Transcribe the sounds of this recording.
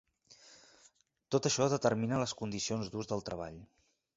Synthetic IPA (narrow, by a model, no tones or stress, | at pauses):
t̪ot̪əʃɔðət̪əɾminələskund̪isionzðuzðəlˠt̪ɾəβa̰ʎ